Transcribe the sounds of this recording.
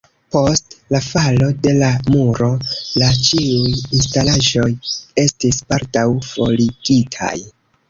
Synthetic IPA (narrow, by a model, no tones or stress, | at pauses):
po̞stlafalo̞de̞lamuɾo̞lat͡ʃiujinstalaʒo̞je̞stispaɾtawfo̞liɡ̥itʰa̰j